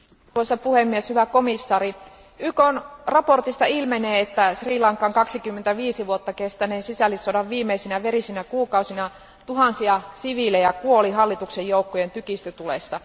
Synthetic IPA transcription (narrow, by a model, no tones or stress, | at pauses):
t̪uosːɑpuhemːieshyʋæko̞misːɑːɾi | ykonrɑpo̞rt̪ist̪ɑilmeneːet̪ːæsriːlɑŋkːˑɑŋkɑksikymːent̪æʋiːsiʋuot̪ːɑkest̪æneːnsisælːisːodɑʋʋiːmːeisinæʋeɾisinækuːkɑusinɑ | t̪uɦɑnsiɑsiʋilejɑkuoliɦɑlːit̪uksejjoukːoje̞nt̪ykist̪øt̪ulḛsːɑ